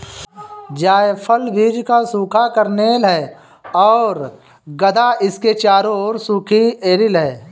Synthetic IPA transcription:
d͡ʒaːjpʰəlbʱiːd͡ʒkasuːkʰakəɾnelɦɛː | ɔːɾ | ɡəd̪aɪsket͡ʃaːɾoɾsuːkʰieːɾɪlɦɛː

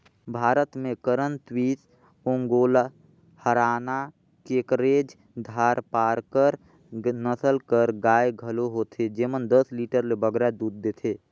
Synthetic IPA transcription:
bʱaːɾət̪mẽkəɾənt̪wit̪ | õŋɡoːl | həɾaːna | kekɾed͡ʒ | d̪ʱaːɾpaːɾkəɾ | nəsəlkəɾɡaːjɡʱəloɦot̪ʰed͡ʒemənd̪əsliʈəɾlebəɡɾad̪uːd̪̚ːet̪ʰe

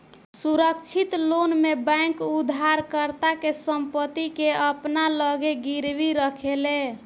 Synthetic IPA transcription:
suɾəkt͡ʃʰit̪lonmebaŋkud̪ʱaɾkəɾt̪akesəmpət̪ːikeəpnaləɡeɡiɾbiɾəkʰele

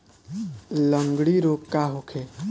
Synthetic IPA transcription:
ləŋɡɽiɾokkaɦokʰe

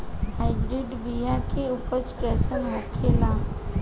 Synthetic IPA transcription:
ɦaɪbɾɪɖbijakeʊpət͡ʃkɛːsənmɔkʰela

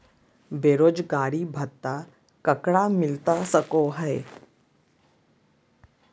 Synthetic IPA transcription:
beːɾoːd͡ʒɡaːɾibʱət̪ːa | kəkɽamɪlt̪asəkoɦəe

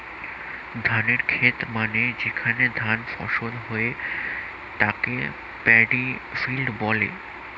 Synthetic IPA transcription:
d̪ʱaneɾkʰet̪maned͡ʑekʰaned̪ʱanfɔ̰ʃolɦoe | t̪akḛ | pɛɖifilɖbɔlḛ

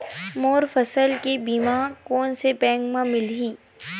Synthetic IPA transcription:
moːɾfɐsəlkebiːmaːkoːnsepɛ̃ːŋɡmãmɪlɦiː

